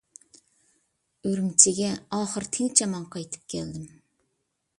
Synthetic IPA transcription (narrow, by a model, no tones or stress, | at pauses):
øɾymt͡ʃʰɪɡʲɛɑːχəɾt̪ʰɪŋt͡ʃʰɛmɑŋqʰɑjt̪ʰɨ̥p̚kʲʰɛld̪ɪm